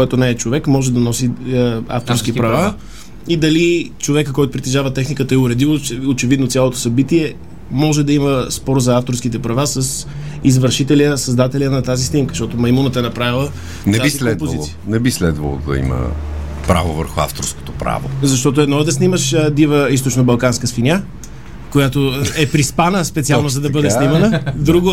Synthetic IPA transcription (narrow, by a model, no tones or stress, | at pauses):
koɛt̪onɛːt͡ʃovɛkmɔʒɛd̪ɐnɔsia̰ft̪oɾsk̟ipɾɐva | id̪ɐlit͡ʃovɛkəkɔjt̪ʊpɾit̪ɛʒavət̪ɛxnikət̪əɛʊɾɛd̪ilˠot͡ʃɛot͡ʃɛvid̪not̪sʲjalˠot̪o̥sɐbit̪iɛ | mɔʒɛd̪ɐiməspɔɾzɐaft̪oɾsk̟it̪ɛpɾɐvasəs | izvəɾʃit̪ɛliəsɐzd̪at̪ɛlijənɐt̪azisnimkə̥ʃt̪ɔt̪omɐjmunət̪ɛnɐpɾavilˠə | nɛaisilkoɛd̪pozitlˠsijənɛbislɛd̪və̰lˠo̰d̪ɐ̰ḭmə̰ | pɾa̰vovə̰ɾxʊa̰ft̪oɾsko̥t̪opɾa̰vo̰zɐʃt̪ɔt̪oɛd̪nɔɛd̪ɐsniməʃd̪ivəist̪ot͡ʃnobɐlˠkanskəsfinʲa | kojat̪oɛpɾispanəspɛt̪sialˠnozɐd̪ɐbɤd̪ɛsnimɐnəd̪ɾuɡo